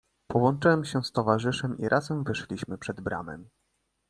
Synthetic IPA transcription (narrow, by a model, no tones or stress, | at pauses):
pɔwɔnt͡ʂɘwɛmɕɛst̪ɔvaʐɘʂɛmiɾʔazɛmvɘʂlʲiɕmɘpʂɛd̪bɾa̰mɛ̰m